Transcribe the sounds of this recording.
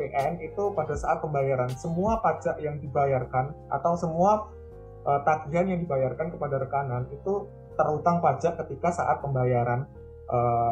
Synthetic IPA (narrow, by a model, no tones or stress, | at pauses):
eʔɛnit̪upadasaʔat̪̚pəmbajaɾansəmuapad͡ʒaʔjaŋdibajarkanʔa̰t̪awsəmua | ʔət̪aɡiɦanjaŋdibajarkankəpadaɾəkananit̪u | t̪ərhut̪aŋpad͡ʒaʔkət̪ikasa̰ʔa̰t̪̚pəmbajaɾan | ʔə